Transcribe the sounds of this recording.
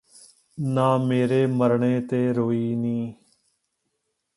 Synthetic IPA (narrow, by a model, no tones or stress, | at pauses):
nãːmeːɾeːməɾɳeːt̪eːɾoːiːnĩː